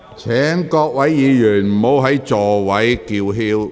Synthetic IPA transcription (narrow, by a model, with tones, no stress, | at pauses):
t͡sʰɛː˨˥ŋkɔː˧k̚wɐ˨˥jːiː˨˧jyː˨˩nm̩˨˩mo˨˥wɦɐ˨˥jt͡sɔː˨˩wɐ˨˥jkiː˧wɦiː˥w